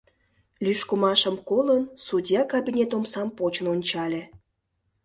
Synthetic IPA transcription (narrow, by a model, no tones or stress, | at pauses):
lʲyʃkumɑʃəmkolənsud̪ʲjɑkɑbʲinʲet̪omsɑmpot͡ɕənonʲt͡ɕɑlʲe